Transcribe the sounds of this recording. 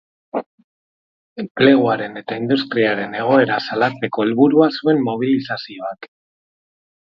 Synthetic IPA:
emple̞ɣ̞uaɾe̞ne̞t̪aind̪ust̪ɾiaɾe̞ne̞ɣ̞o̞e̞ɾasalat͡se̞ko̞elβuɾuasue̞mːo̞β̞ilisasio̞ak

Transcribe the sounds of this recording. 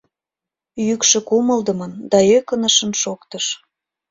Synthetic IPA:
jykʃĕkuməld̪əmənd̪ɑøkənəʃə̆nʃokt̪əʃ

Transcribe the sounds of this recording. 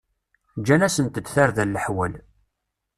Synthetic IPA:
d͡ʒːænæsənt̪əd̪θaɾðælːəħwæl

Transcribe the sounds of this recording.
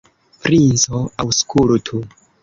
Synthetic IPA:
pɾinsoawskʰultʰu

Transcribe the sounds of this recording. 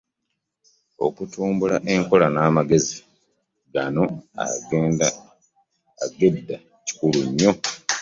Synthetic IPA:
o̞̰kutʰuːmbulaʔe̞ŋko̞lanaːmaɡe̞zi | ɡano̞a̰ɡeːnda | aɡe̞dːa | ci̥kuluɲːo̞

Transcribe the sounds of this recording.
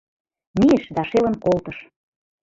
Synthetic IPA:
miə̆ʃd̪ɑʃelə̆nkolt̪ə̆ʃ

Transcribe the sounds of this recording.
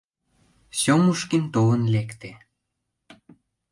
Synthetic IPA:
somuʃkint̪olənlekt̪e

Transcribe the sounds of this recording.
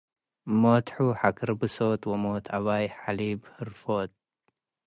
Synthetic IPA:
mot̪ħuħakɨɾbɨsot̪wɐmoːt̪ʰaβaːjħalibhɨɾfoːt̪̚

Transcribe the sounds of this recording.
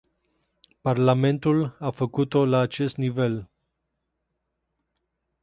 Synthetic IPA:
parlame̞nt̪ulafəkut̪o̞laːt͡ʃe̞st̪nive̞l

